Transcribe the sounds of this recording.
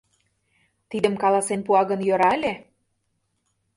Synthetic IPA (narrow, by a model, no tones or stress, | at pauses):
t̪id̪ə̆mkɑlˠɑsenpuɑɣə̆njøɾɑlʲe